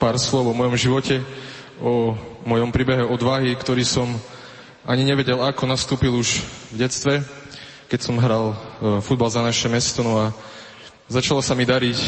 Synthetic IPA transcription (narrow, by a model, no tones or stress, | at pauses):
paːɾslɔʋʊɔmɔjɔmʒiʋɔcɛ | ɔmɔjɔmpɾiːbɛɦɛɔd̪ʋaɦikt̪ɔɾiːsɔm | aɲiɲɛʋɛɟɛlakɔnast̪uːpiluʒvɟɛt͡st̪ʋɛ | kɛcsɔmɦɾalfud̪balzanaʃɛmɛst̪ɔnɔa | zat͡ʃalɔsamid̪aɾic